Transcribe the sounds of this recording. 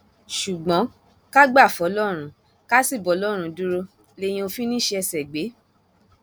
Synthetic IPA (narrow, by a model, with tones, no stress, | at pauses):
ʃu˨ɡ͡bɔ̃˨˦ | ka˦ɡ͡ba˦˨fɔ˨˦lɔ˦ɾ̃ũ˨˦ | ka˦si˦˨bɔ˨˦lɔ˦ɾ̃ũ˨˧du˦ɾo˧ | le˦j̃ĩ˧o˧fi˦nĩ˦ʃe˧˦ɛ˧sɛ˨ɡ͡be˨˦